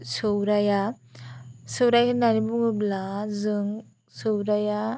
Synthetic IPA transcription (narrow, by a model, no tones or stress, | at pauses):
sɯwɾaja | sɯwɾajkɯnaɾibuŋɯblazɯŋ | sɯwɾaja